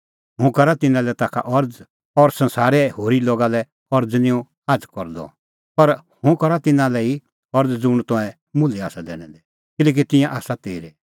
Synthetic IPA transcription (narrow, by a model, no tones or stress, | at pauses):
ɦʊ̃kɐɾat̪ɪnãlɛt̪aːkʰa̰ʔɔɾd͡z | ɔɾsɐ̃nsaːɾɛhoːɾiloːɡalɛ | ɔɾd͡znɪ̃jũ | ad͡zkɔɾd̪ɔ̰ | pɐɾhʊ̃kɐɾat̪ɪnãlɛi | ɔɾd͡zd͡zʊɽ̃t̪ɔ̃ɛ̃ | mʊlɛaːsad̪ɛ̰ːɽ̃ɛ̃d̪ɛ | kɪlɛːk̬it̪ɪ̃jãʔaːsat̪eːɾe